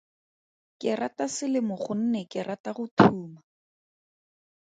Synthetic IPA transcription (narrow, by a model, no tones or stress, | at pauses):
kɪratasɪlɪmʊχʊn̩nɛkɪrataχʊtʰuːma